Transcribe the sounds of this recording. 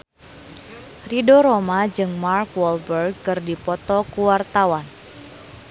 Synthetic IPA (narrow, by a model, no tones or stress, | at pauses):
ridoɾomad͡ʒɨŋmarkwɔlbərɡ̚kɨrdipɔt̪ɔkuwart̪awan